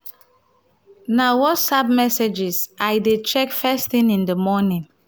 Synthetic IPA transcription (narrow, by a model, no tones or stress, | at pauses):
nawɔtsab̚mɛsed͡ʒisajdet͡ʃɛkfɛsθĩnĩndəmɔnĩn